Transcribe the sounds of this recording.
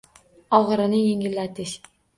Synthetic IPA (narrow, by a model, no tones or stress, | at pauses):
ɒʁɨɾɪnɪjeŋʲɪlːat̪ʰɪʃ